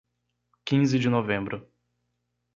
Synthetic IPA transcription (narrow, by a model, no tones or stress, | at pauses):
kĩzɪd͡ʒɪnovẽmbɾʊ